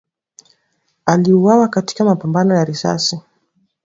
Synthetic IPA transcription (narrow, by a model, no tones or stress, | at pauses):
aliuwawakati̥kamapambanɔjaɾisa̰si